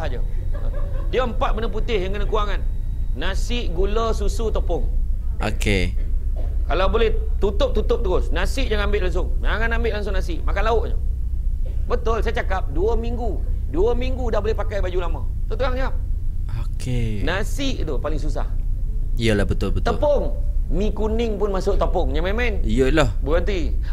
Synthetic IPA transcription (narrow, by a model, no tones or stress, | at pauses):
d͡ʒə̰ | diəmpat̪̚bənəput̪ɪhjaŋkənakuwaŋanːasɪʔɡuləsusut̪opʊŋoke | kalawbolɛht̪ut̪ʊp̚t̪ut̪ʊp̚t̪əɾʊsnasɪʔjaŋambɪʔlaŋsʊŋaŋanambɪʔlaŋs̬ʊŋnasɪʔmakanlaʊʔɲə̰ | bət̪ʊlsajat͡ʃakap̚duəmiŋɡu | duəmiŋɡudahbolɛhpakajbad͡ʒulamãt̪ut̪əɣaŋɲaap̚okenasɪʔt̪upalɪŋsusa̰hijəlahbət̪ʊlbət̪əpɔŋmĩkunɪŋpʊnmasʊʔt̪opʊŋɲamɛmɛnijəʔlahbəənt̪i